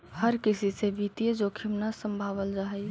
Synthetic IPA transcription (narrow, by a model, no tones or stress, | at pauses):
həɾkisisebit̪ijəd͡ʒokʰimnasəmbʱaβəld͡ʒaɦɛj